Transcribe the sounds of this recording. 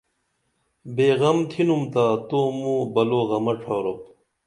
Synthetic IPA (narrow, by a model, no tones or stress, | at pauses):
beːɣɐmt̪ʰinumt̪aːt̪oːmũːbɐloːɣɐmɐʈ͡ʂʰaːɾop̚